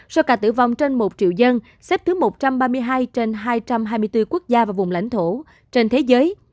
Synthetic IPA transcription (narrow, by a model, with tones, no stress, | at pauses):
sɔ˧wkaː˧˩t̪ɨ̰˧˩va˨˩wŋ͡mt͡ɕe˧nmo˨˩t̚t͡ɕḭ˧˨əwzə˧n | sɛ˦˥p̚t̪ɨ˨˦mo˨˩t̚t͡ɕa˧mɓaː˧mɨ˧əjɦaː˧jt͡ɕe˧nɦaː˧jt͡ɕa˧mɦaː˧jmɨ˧əjt̪ɨ˧ku˦˥ək̚zaː˧vaː˨˩vʊ˨˩ŋ͡mla̰˧˥jŋ̟t̪ʰo˧˩ | t͡ɕe˧nt̪ʰe˨˦zəː˨˦j